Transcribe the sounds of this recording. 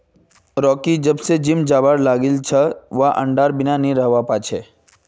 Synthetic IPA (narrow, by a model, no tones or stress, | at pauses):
ɾɔːkid͡ʒɐbsed͡ʒɪmd͡ʒaːbaːɾlaːɡɪlt͡ʃʰɐʋaʔɐ̰̃ɳɖaːɾbɪnanɦĩɾɐɦʋapaːt͡ʃʰeː